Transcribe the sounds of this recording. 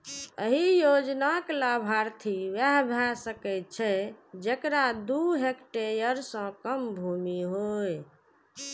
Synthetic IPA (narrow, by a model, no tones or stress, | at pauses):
əɦijod͡ʒnaklabʱaɾt̪ʰiwjaɦbʱjasəkɛt̪̚t͡ʃʰɛd͡ʒekɾad̪uɦekʈeɾjəɾsə̃kəmbʱumiɦoj